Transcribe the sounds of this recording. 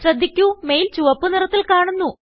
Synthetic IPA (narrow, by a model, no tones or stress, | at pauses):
ɕrɐd̪ʱːikʲːumejilt͡ɕuʋɐpːɨnirɐt̪ːilkaːɳunːu